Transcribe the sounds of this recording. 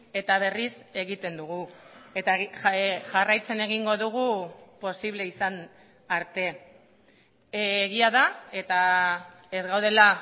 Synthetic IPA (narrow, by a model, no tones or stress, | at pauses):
e̞t̪aβ̞e̞rise̞ɣit̪e̞nd̪uɣ̞uet̪a | ʝarajt͡se̞ne̞ɣiŋɡo̞ðuɣ̞upo̞siβle̞isan | aɾt̪e̞ | ɣiaðae̞t̪a | e̞zɣawð̞e̞la